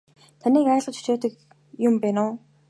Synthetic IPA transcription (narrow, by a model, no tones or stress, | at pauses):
t̪ʰaniːkæːɮʁə̆t͡ɕu̥t͡ɕoːt̪ə̆k | jʊmpæːnʊː